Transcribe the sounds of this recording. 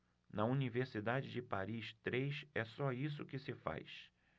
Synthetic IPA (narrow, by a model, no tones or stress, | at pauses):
nɐuniveɾsid̪ad͡ʒɪd͡ʒɪpaɾist̪ɾejsɛsɔis̬ʊkɪsɪfa̰js